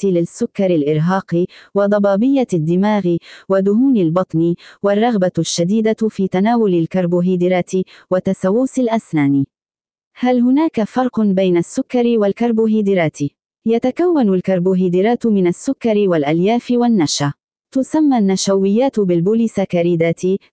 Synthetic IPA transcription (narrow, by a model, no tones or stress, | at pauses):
lɪsːʊkːɑɾɪlʔɪɾɦɑːqɪwɑd̪ˤɑbɑːbɪjːad̪ːɪmaːɣɪwad̪ʊɦuːnɪlbɑt̪ˤniwarˤːɑɣbaʃːad̪iːd̪afiːt̪anaːwʊlɪlkaɾˤbuɦiːd̪ɪɾaːt̪ɪwat̪ːasawːusɪlʔasnaːni | halɦʊnaːkafɑɾˤqʊnbajnasːʊkːɑɾɪwalkaɾˤbuɦiːd̪ɪɾaːt̪ɪ | jat̪akawːanʊlkɑɾˤbuɦiːd̪ɪɾaːt̪mɪnasːʊkːɑɾɪwalʔaljaːfɪwanːaʃa | t̪ʊsamːanːaʃawɪjːaːt̪bɪlbʊliːsakaɾiːd̪aːt̪i